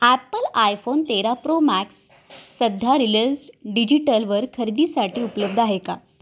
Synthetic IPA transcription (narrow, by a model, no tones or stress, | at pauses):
æpəlajfont̪eɾapɾomæksː | əd̪ʱaɾiləsɖid͡ʑiʈəlʋəɾkʰəɾid̪iːsaʈiːupləb̚d̪ʱaɦeka̰